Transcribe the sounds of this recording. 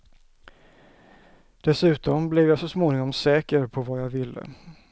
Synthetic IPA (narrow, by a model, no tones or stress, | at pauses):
d̪̥ɛsʉ̟ːt̪ɔmblɪvjɑsɔsmoːnɪŋɔmsɛːkəɾpʰɔvaːjɑːvɪlːə̰